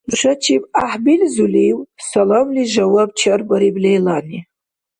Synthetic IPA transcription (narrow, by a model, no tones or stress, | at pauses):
lʂʷat͡ʃʰipʼaħbilzulijwsalomliʒawab̚t͡ʃʰarbaɾiblejlani